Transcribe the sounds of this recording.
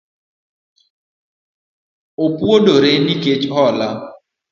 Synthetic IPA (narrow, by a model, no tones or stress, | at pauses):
opwodoɾeniket͡ʃhɔla